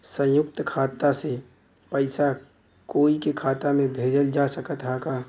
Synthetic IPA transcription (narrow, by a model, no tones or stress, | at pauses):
sə̃jʊk̚t̪kʰaːt̪ase | pəɪsa | koːikekʰaːt̪amẽbʱeːd͡ʒəld͡ʒasəkət̪ɦaka